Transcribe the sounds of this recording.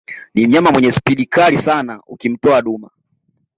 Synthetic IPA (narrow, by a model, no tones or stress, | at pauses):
nim̩ɲamamwɛɲɛspiɗikalisanaukim̩tɔaɗuma